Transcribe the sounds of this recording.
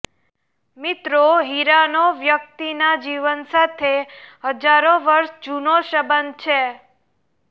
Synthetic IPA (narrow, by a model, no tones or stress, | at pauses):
mit̪ɾoɦiɾanoʋjək̚t̪inad͡ʒiʋənsat̪ʰeɦəd͡ʒaɾoʋəɾʃd͡ʒunoʃəbənt͡ʃʰe